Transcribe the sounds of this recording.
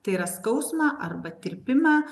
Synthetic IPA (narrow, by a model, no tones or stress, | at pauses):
t̪ɐɪiːɾɐskɐʊsmɑʔɐɾbɐt̪ʲɪɾʲpʲɪmɑː